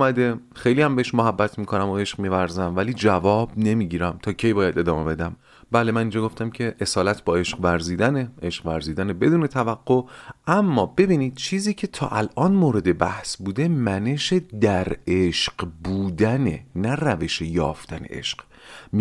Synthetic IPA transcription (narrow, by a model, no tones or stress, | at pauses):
mæd̪e̞ | xe̞jliːæmbeeʃmoɦæbːæt̪ʰmiːkʰo̞næmoe̞ʃqmiːvæɾzæmvæliːd͡ʒævɒːbne̞miːɟiːɾæmt̪ʰɒːcʰe̞jbɒːjæd̪e̞d̪ɒːme̞be̞d̪æm | bæːlemæniːnd͡ʒɒːɡoft̪æmcʰe̞ʔesɒːlæt̪ʰbɒːe̞ʃqvæɾziːd̪æneʔe̞ʃqvæɾziːd̪ænebe̞d̪uːne̞t̪ʰævæɡːoʔæmːɒːbe̞biːniːd̪̥̚t͡ʃʰiːziːcʰe̞t̪ʰɒ̰ːʔælʔɒːnmoːɾe̞d̪e̞bæhsbuːd̪e̞mæneʃed̪æɾeʃɢbuːd̪ænḛnæræve̞ʃejɒ̰ːft̪ænḛʔe̞̰ʃq | m